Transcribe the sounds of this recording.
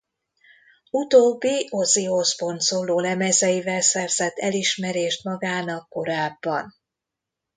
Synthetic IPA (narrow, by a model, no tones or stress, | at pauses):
ut̪oːbːioziosbo̞nt̪soːloːlɛmɛzɛjivɛlsɛrz̥ɛt̪ːɛliʃmɛɾeːʃt̪mɒɡaːnɒkːo̞ɾaːbːɒn